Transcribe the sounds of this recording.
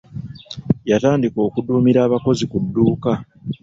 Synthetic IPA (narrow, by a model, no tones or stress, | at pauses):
jataːndiko̞ːkuduːmiɾaːβako̞zikudːuːka